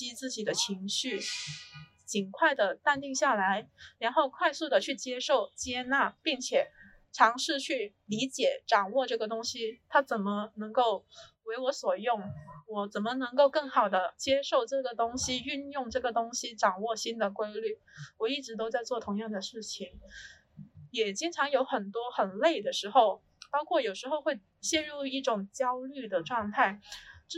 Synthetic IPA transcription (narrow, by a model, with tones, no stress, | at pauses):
t͡ɕi˥t͡sɹ̩˥˩t͡ɕi˨˩d̪ə˦t͡ɕʰi˧˥ŋɕy˥˩ | t͡ɕi˨˩nkʰwa˥˩ɪd̪ə˩t̪a˥˧nt̪i˥˧ŋɕja˥˩la˧˥ɪɻa˧˥nxo˥˧ʊkʰwa˥˧ɪsu˥˩d̪ə˩t͡ɕʰy˥˩t͡ɕjɛ˥ʂo˥˩ʊt͡ɕjɛ˥na˥˩pi˥˩ŋt͡ɕʰjɛ˨˩ | ʈ͡ʂʰɑ˧˥ŋʂɻ̩˥˧t͡ɕʰy˥˩li˧˥t͡ɕjɛ˨˩ʈ͡ʂɑ˨˩ŋwɔ˥˧ʈ͡ʂɤ˥˩ɡə˩t̪ʊ˥ŋɕi˥t̪ʰa˥t͡sə˨˩nmə˦nɤ˧˥ŋko˥˩ʊwe˧˥ɪwɔ˧˥swɔ˨˩jʊ˥˩ŋwɔ˨˩t͡sə˨˩nmə˦nɤ˧˥ŋko˥˧ʊkɤ˥˩ŋxɑ˨˩ʊd̪ə˦t͡ɕjɛ˥ʂo˥˧ʊʈ͡ʂɤ˥˩ɡə˩t̪ʊ˥ŋɕi˥y˥˧njʊ˥˧ŋʈ͡ʂɤ˥˩ɡə˩t̪ʊ˥ŋɕi˥ʈ͡ʂɑ˨˩ŋwɔ˥˧˩ɕi˥nd̪ə˨kwe˥ɪly˥˩ | wɔ˨˩i˥˩ʈ͡ʂɻ̩˧˥t̪̬o˥ʊt͡sa˥˧ɪt͡swɔ˥˩t̪ʰʊ˧˥ŋjɑ˥˩ŋd̪ə˩ʂɻ̩˥˩t͡ɕʰi˨˩ŋ | jɛ˨˩t͡ɕi˥ŋʈ͡ʂʰɑ˧˥ŋjo˧˥ʊxə˨˩nt̪wɔ˥xə˨˩nle˥˩ɪd̪ə˩ʂɻ̩˧˥xo˥˧ʊ | pɑ˥ʊkʰwɔ˥˩jo˨˩ʊʂɻ̩˧˥xo˥˧ʊxwe˥˩ɪ | ɕjɛ˥˧nɻu˥˧i˥˩ʈ͡ʂʊ˨˩ŋt͡ɕjɑ˥ʊly˥˩d̪ə˩ʈ͡ʂwɑ˥˧ŋt̪ʰa˥˩ɪʈ͡ʂ